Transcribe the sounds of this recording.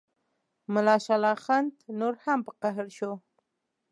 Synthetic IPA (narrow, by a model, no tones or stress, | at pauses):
mʊlɑʃalɑxand̪noɾhampəqaɦəɾʃo